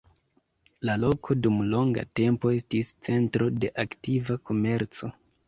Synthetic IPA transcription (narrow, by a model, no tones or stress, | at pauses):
lalo̞kʰo̞dumlo̞ŋɡa̰te̞mpo̞e̞stist͡se̞ntɾo̞de̞ʔaktivakʰo̞me̞ɾt͡so̞